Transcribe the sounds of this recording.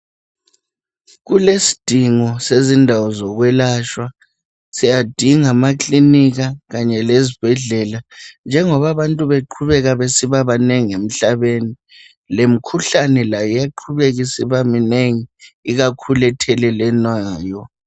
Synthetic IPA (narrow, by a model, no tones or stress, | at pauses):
ɣulesi̥d̥ʱiŋɔsezindʱawɔzɔɣwɛlaʃwa | sijad̥ʱiŋamakʰliniɣaɣaɲɛlezib̥ʱɛɮɛland͡ʒʱɛŋɔβaβantʼuβeǃʰuβɛɣaβesiβaβaneŋiem̩ɬaβeni | lem̩kʰuɬanɛlajɔjaǃʰuβeɣisiβamineŋiiɣakʰulɛtʰɛlɛlɛnwajɔ